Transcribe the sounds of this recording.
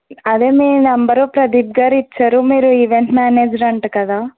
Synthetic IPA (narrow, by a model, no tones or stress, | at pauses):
ɐd̪eːmiːnɐmbɐɾopɾɐd̪iːb̚ɡaːɾit͡ʃːaːɾumiːɾuiʋeɳʈmaːneːd͡ʒɾɐɳʈɐkɐd̪aː